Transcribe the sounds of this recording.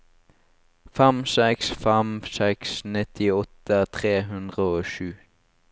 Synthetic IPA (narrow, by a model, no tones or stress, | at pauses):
fɛmsɛksfɛmsɛksnɪt̪ʰɪɔt̪ət̪ʰʁeːɦʉnd̪ʁəoːʃʉː